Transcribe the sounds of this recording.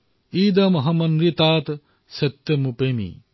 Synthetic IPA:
iːd̪ɐmɦɐmɐnɾit̪aːt̪ | sɐt̪ːɐmupemḭ

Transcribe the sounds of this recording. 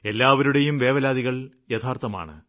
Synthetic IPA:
e̞lːaːʋɐɾuɽe̞jumʋe̞ːʋɐlaːd̪iɣɐɭ | jɐt̪ʰaːrt̪ɐma̰ːɳɨ̰

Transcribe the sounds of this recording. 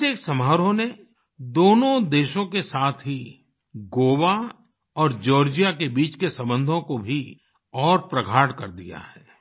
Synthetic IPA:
eːksɐmɦaːɾõne | d̪oːnõd̪eːʃõkesaːt̪ʰɦi | ɡoːwa | ɔːɾd͡ʒɔːɾd͡ʒijakebiːt͡ʃkesɐ̃mbə̃nd̪ʱõkobʱi | ɔːɾpɾɐɡʱaːʈkɐɾd̪ija̰ɦɛː

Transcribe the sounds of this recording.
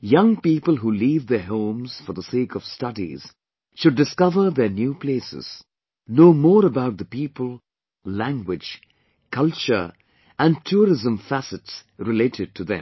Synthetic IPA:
jʌ̃ŋpiːpəl̩ˠɦuːliːvðəɦõːmz̥fəɾðəseːkʰʌv̥stʌdḭz̥ | ʃʊɖ̚ːɨskʌvə˞ðənjuːpʰleɪsɪ̰z̥ | noːmɔːɾəbaʊt̪̚d̪əpiːpəlˠ | læ̃ŋɡwɪd͡ʒ | kʰʌlˠt͡ʃə˞ | æ̃ntʰuɾɪzə̃mfæsɨtsɾɪleɪtɪd̚ʈʰuðɛ̰̃m

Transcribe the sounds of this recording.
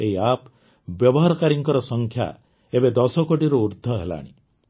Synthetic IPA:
eɦiap | bjɔbɔɦaɾɔkaɾiŋkɔɾɔsɔŋkʰja̰ | ebed̪ɔsɔkoʈiɾɔuɾd̪ʱɔɦela̰ɽ̃ḭ

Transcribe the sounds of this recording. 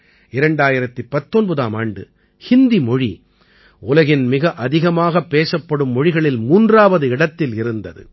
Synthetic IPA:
ɪɾɐɳɖaːjɪɾɐt̪ːɯpːɐt̪ːɔnbɐðaːmaːɳɖɯ̰ | hɪnd̪imɔɻḭ | ʊlɐɣɪnmɪɣɐʔɐðɪɣɐmaːɣɐpːeːsɐpːɐɽɯmːɔɻɪɣɐɭɪlmuːndraːʋɐðɯɪɽɐt̪ːɪlɪɾɯnd̪ɐðɯ̰

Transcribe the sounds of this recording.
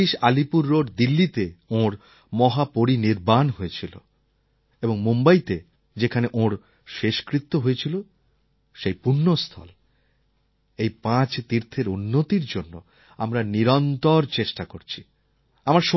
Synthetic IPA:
iʃalipuɾːoɖd̪ilːit̪eõɾ | mɔɦapoɾiniɾbanɦoet͡ɕʰilo̰ | eboŋmombajt̪e | d͡ʑekʰaneʔõɾ | ʃeʃkɾit̪ːoɦoet͡ɕʰilo | ʃejpunːost̪ʰɔ̰l | ejpãt͡ɕt̪iɾt̪ʰeɾunːot̪iɾd͡ʑonːo | amɾaniɾɔnt̪oɾt͡ɕeʃʈakoɾt͡ɕʰi̥ | amaɾʃo

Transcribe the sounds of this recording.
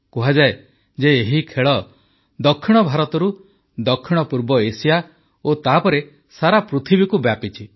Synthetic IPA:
kuɦad͡ʒae | d͡ʒeːɦikʰeɭɔ | d̪ɔkʰːiɽ̃ɔbʱaɾɔt̪ɔɾu | d̪ɔkʰːiɽ̃ɔpuɾbɔesija | ot̪aɦpɔɾe | saɾapɾut̪ʰibikubjapit͡ʃʰi

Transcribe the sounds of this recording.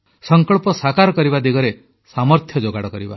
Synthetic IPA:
sɔŋkɔɭpɔsakaɾɔkɔɾibad̪iɡɔɾe | samɔɾt̪ʰjɔd͡ʒoɡaɽɔkɔɾiba̰

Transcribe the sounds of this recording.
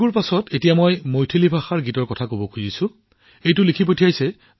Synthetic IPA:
uɹpasɔtetijamɔjmojtʰelibʱaxaɹɡitɔɹkɔtʰakobɔkʰuzisʊ | ejtʊlikʰip̬otʰijajsɛ

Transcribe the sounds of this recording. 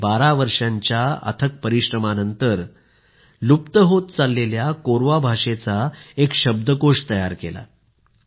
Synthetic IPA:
baɾaʋəɾʂjaɲt͡ɕjaə̰t̪ʰək̚pəɾiɕɾəmanənt̪əɾ | lupt̪əɦot̪̚t͡salːeljakoɾʋabʱaʂet͡saekɕəb̚d̪əkoʂt̪əjaɾkḛla̰

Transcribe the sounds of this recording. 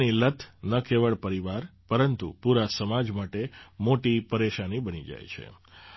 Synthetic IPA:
nilət̪ʰnəkʰeʋəɭpəɾiʋaɾpəɾənt̪ṵpuɾasəmad͡ʒmaʈemoʈipəɾeʃanibənid͡ʒa̰jt͡ʃʰḛ

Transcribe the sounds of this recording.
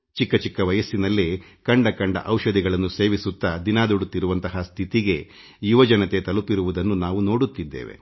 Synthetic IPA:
t͡ʃikːɐt͡ʃikːɐʋɐjɐsːinɐlːikɐɳɖɐkɐɳɖɐ̰ʔɐwʃɐd̪iɡɐɭɐnːuse̞ːʋisut̪ːɐd̪inaːd̪uɽut̪ːiɾuʋɐnt̪ɐɦɐst̪ʰit̪iɡe̞ | juʋɐd͡ʒɐnɐt̪e̞t̪ɐlupiɾuʋud̪ɐnːunaːʋuno̞ːɽut̪ːid̪ːḛːʋe̞̰

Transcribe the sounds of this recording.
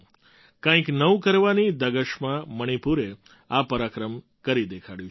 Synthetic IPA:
kãĩknəũkəɾʋanid̪əɡəʃmãməɽ̃ipuɾe | apəɾakɾəm | kəɾid̪ekʰaɽjũ

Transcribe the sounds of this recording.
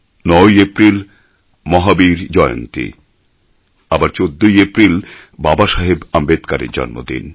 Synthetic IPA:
nɔjepɾil | mɔɦabiɾd͡ʑɔeo̰nt̪ḭ | abaɾt͡ɕod̪ːojepɾil | babaʃaɦebambed̪kaɾḛɾd͡ʑɔ̰nmo̰d̪ḭn

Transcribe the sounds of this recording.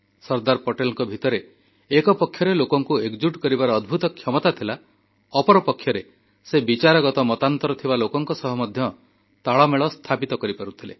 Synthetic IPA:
sɔɾd̪aɾpɔʈelɔŋkɔbʱit̪ɔɾeː | kɔpɔkʰːjɔɾelokɔŋkueɡd͡ʒuʈkɔɾibaɾɔːd̪bʱut̪ɔkʰjɔmɔt̪at̪ʰila | ɔpɔɾɔpɔkʰjɔɾe | sebit͡ʃaɾɔɡɔt̪ɔmɔt̪ant̪ɔɾɔt̪ʰibalokɔŋkɔsɔɦɔmɔd̪ʱjɔ | t̪aɭɔmeɭɔst̪ʰapit̪ɔkɔɾipaɾut̪ʰile

